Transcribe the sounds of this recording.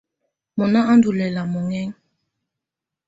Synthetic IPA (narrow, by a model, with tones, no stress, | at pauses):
mɔ˨na˦a˦ndu˨lɛ˨la˨mɔ˨ŋɛ˦ŋ